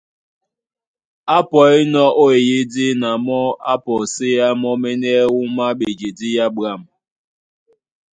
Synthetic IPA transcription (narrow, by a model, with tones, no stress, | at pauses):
a˦pɔ˨e˦nɔ˦o˦e˨je˦di˦na˨mɔ˦a˦pɔ˨se˦a˦mɔ˦mɛ˦nɛ˦wu˦ma˦ɓe˨d͡ʒe˨di˦ja˦ba˦˨m